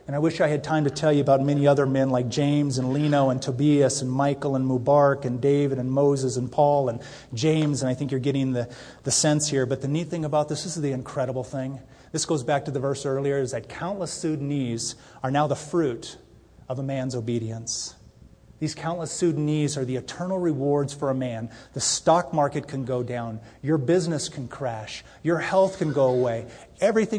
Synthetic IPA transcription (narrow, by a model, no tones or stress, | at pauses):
ɨ̃ñaɪwɪʃaɪɨd̚tʰãɪ̃mtɨtʰɛlˠjɨəbaʊt̚mɛñiʌðə˞mɛ̃nlaɪk̚d̥ʒ̥ẽɪ̃mzɨ̃nlĩnoʊə̃ntʰəbiɨsɨ̃nmaɪkl̩ˠə̃nmubɑɹkɨ̃ndeɪvɨɾɨ̃nmoʊzɨzɨ̃npʰɔlˠə̃n | d͡ʒẽɪ̃mzɨ̃ñaɪθɪ̃ŋkjə˞ɡɛɾɪ̃ŋðɨ | ðɨsɛ̃nshiɹbʌt̪̚ðɨniθɪ̃ŋɨbaʊt̪̚ðɪsɨzðiɨ̃nkʰɹ̥ɛɾəbl̩ˠθɪ̃ŋ | ðɪsɡ̥oʊzbæk̚tʰɨðɨvɜ˞sɜ˞lˠiə˞ɨzðɨt̚kʰãʊ̃nʔləsʉdⁿniz | ə˞naʊðəfɹʉɾ | ʌvəmæ̃nzoʊbiɾiɨ̃ns | ðiz̥kʰãʊ̃nʔləsʉdⁿnizə˞ðiɨtʰɜ̃˞nl̩ˠɹɪwɔɹdz̥fə˞əmæ̃nðɨstɑk̚mɑɹkɨt̚kʰɨ̃nɡoʊdãʊ̃njə˞bɪznɨskʰɨ̃n̩kʰɹ̥æʃ | jə˞hɛlˠθkɨ̃nɡoʊəweɪ | ɛvɹiθɪ̃